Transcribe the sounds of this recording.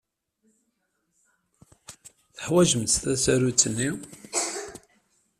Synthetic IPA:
θəħwæʒəmt̪θæsæɾut͡sːənːi

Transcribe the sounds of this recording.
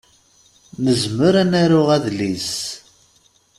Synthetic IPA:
nəzməɾænæɾʊʁæðlis

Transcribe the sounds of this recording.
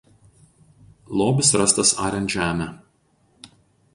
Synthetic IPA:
lˠoːbʲɪsɾɐst̪ɐsɑːɾʲɛnt̪ʒʲæːmʲæ

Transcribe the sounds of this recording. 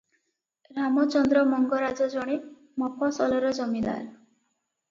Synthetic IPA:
ɾamɔt͡ʃɔnd̪ɾɔmɔŋɡɔɾad͡ʒɔd͡ʒɔɽ̃i | mɔpɔsɔlɔɾɔd͡ʒɔmid̪a̰ɾ

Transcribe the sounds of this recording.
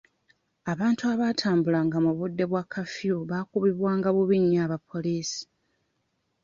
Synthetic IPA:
aβaːntuaβaːtʰaːmbulaŋɡamuβudːe̞βwakʰafjuβakuβiβwaːŋɡaβuβiɲːaːβapːo̞liːsi̥

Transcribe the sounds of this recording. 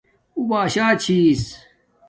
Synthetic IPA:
ubaːɕaːt͡ɕʰiːs

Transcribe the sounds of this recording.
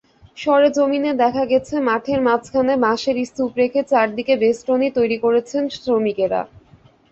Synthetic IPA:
ʃɔɾed͡ʑomined̪ɛkʰaɡɛt͡ɕʰemaʈʰeɾmat͡ɕʰkʰanemaʃeɾist̪upɾekʰet͡ɕaɾd̪ikebesʈonit̪ojɾikoɾet͡ɕʰensɾomikeɾa̰

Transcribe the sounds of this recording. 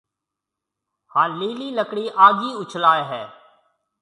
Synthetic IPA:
hãːliːliːləkɽiːʔaːɡiːʊt͡ʃʰlaːeɦɛː

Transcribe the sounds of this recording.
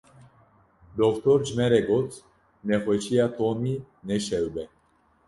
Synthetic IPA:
d̪ɔkt̪ʰɔɾd͡ʒmɛɾɛɡɔt͡sʰ | nɛχɔt͡ʃʰiat̪ʰɔni | nɛʃɛwbɛ

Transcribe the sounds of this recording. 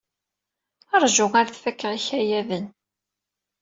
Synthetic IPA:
ɑɾˤʒʊʁaɾθfækːəʁiçæjæðən

